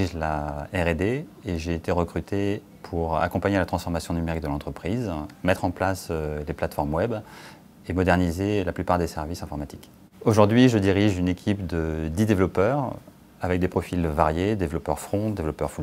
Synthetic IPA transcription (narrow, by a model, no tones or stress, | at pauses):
iʒlaɛʁed̪eeʒeːt̪eʁəkχyt̪ʰe | pʰuʁa̰kɔ̃paɲelat̪χɑ̃sfɔʁmasjɔ̃nymeʁik̚d̪əlɑ̃t̪χəpχizmɛt̪χɑ̃plasøleplat̪fɔʁmwɛb | emɔd̪ɛʁnizelaplypaʁd̪esɛʁvisɛ̃fɔʁmat̪i̥k | oʒuʁd̪ɥiʒəd̪iʁiʒynekʲʰipd̪əd̪id̪evlɔpœʁ | avɛk̚d̪epχɔfilvaʁjed̪evlɔpœʁfχɔ̃d̪evlɔpœʁfu